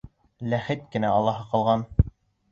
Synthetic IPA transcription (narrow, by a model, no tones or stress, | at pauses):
læχɘt̪kɘ̆næɑlˠːɑhɤqɑlˠʁɑn